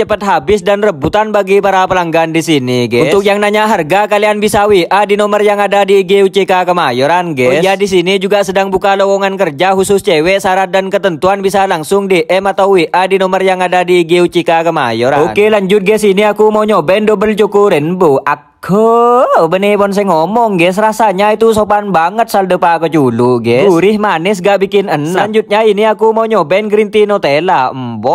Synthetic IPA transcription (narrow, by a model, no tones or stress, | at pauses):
t͡ʃəpət̪̚ɦabɪsdanrəbut̪anbaɡipaɾapəlaŋɡaːndisiniɡɛunt̪ʊk̚jaŋnaɲaɦarɡakalianbisawiʔʔadinɔmərjaŋadadiːɡeut͡ʃikakəmajɔɾanɡɛjadis̬inid͡ʒuɡasədaŋbukalɔwɔŋankərd͡ʒaɦusʊst͡ʃɛwɛʔsaɾat̪̚dankət̪ənt̪uanbisalaŋsʊŋdeʔɛmat̪awwiʔʔadinɔmərjaŋadadiɡiut͡ʃikakəma̰jɔɾaonkelaɲd͡ʒʊt̪̚ɡɛs̬iniakumoɲɔbɛndobəlt͡ʃukuɾɪnboʔakʰəbənipɔns̬ɛŋɔmɔŋɡɛs̬ɾasaɲait̪usopanbaŋət̪̚saldəpakət͡ʃuluɡɛuɾɪhmanɪs̬ɡaʔbikɪnənlaɲd͡ʒut̪̚ɲainiakumoɲɔbɛnɡɾint̪inot̪elambɔ